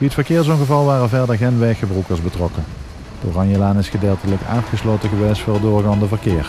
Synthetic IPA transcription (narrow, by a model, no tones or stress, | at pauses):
ʋiətfəɹkɪːɹzoːnɣəvɑlˠʋaːrənvɛɹdəɹɣenʋɛjxəbrukəɹzbətrɔkə | doːrɑnjəlaːnɪsχədeːlˠtələka̰ːtχəslowtəɣəʋejstfʊːrədʊːɹɣaːndəvəɹkɪːɹ